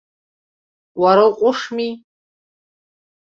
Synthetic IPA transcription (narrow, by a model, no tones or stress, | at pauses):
waɾalqʷʼʊʂmi